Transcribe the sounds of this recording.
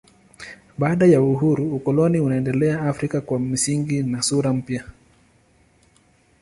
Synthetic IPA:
ɓaːɗajauɦuɾuːkɔlɔniunaɛndɛlɛaafɾikakwam̩siŋɡinasuɾam̩pja

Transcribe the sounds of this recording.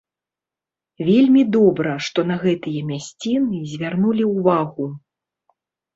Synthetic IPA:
vʲelʲmʲid̪ɔbɾɐʂt̪ɔnɐɣɛt̪ɨjɐmʲasʲt͡sʲinɨzʲvʲarnulʲiuvaɣu

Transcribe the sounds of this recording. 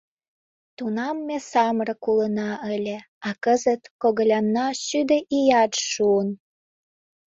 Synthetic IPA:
t̪unɑmːesɑmɾə̆kulənɑʔəlʲe | ɑkəzət̪koɣə̆lʲɑnːɑʃyd̪ə̆ʔijɑtʃuən

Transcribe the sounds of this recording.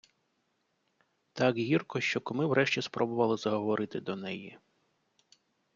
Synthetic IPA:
t̪ɑkɦʲirkɔʃt͡ʃɔkɔmɪwɾʔɛʃt͡ʃʲispɾʔɔbʊʋɐlˠɪzɐɦɔʋɔɾʔɪt̪ɪd̪ɔnɛji

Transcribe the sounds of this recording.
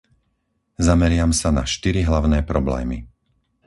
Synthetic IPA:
zamɛɾɪamsana̰ʃt̪iɾiɦlaʊnɛːpɾɔblɛ̰ːmḭ

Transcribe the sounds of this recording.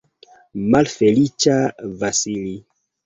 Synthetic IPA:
malfelit͡ʃavasili

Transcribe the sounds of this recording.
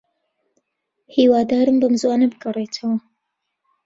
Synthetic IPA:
hiːwaːd̪aːɾɨmbɐmzwaːnɐbɨɡɐrˤet̪ʰɐwɐ

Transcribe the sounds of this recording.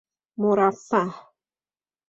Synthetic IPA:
muɾafah

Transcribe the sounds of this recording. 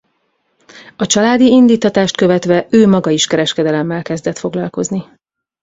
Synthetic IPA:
ɒt͡ʃɒlaːd̪iind̪iːt̪ːɒt̪aːʃt̪køvɛt̪ʋɛøːmɒɡɒiʃkɛɾɛʃkɛd̪ɛlɛmːɛlkɛzd̪ɛt̪fo̞ɡlɒlko̞zni

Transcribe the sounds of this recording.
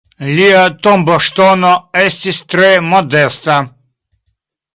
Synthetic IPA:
liat̪ɔmbɔʃt̪ɔnɔɛst̪ist̪ɾemɔd̪ɛst̪a

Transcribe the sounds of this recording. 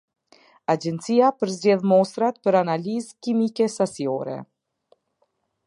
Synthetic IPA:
ad͡ʑɛnt̪t͡siapəɾzd͡ʑɛðmɔst̪ɾat̪̚pəɾanalizkimikɛsasiɔɾɛ̰

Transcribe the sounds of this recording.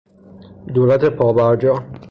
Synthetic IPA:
d̪oːɾæt̪ʰe̞pʰɒːbæɾd͡ʒɒː

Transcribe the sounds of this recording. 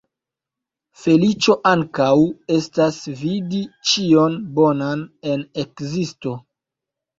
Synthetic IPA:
fe̞lit͡ʃo̞ʔaŋkawe̞stasvidit͡ʃio̞nbo̞nane̞ne̞kzisto̞

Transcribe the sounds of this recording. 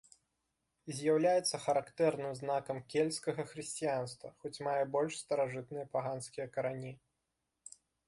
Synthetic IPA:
zʲjawlʲajɛt̪sːɐxɐɾakt̪ɛrnɨmznakɐmkʲelʲskɐɣɐxɾɨsʲt͡sʲijanst̪vɐ̰xɔt͡sʲmajɛbɔlʲʂst̪ɐɾaʐɨt̪nɨjɐpaɣanskʲijɐkɐɾanʲi

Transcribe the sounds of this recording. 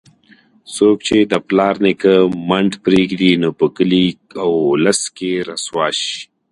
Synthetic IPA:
sok̚t͡ʃed̪əplɑːɾnekəmaɳʈpɾeɡd̪inopəkəliawlaskeɾaswɑːʃi̥

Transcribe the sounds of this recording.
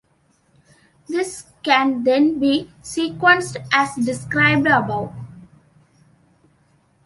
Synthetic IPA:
d̪ɪskæ̃nd̪ẽnbiːsiːkwə̃nsʈʔæsɖɪskɾaɪb̚ɖəbaʊʈ

